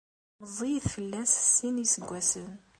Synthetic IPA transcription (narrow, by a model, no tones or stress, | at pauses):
məzˤijθfəlːæssːinisəɡʷːæsən